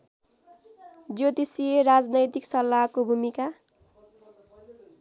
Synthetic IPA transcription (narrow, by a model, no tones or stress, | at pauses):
d͡zjot̪isieɾad͡znʌjt̪iksʌlːakobʱumika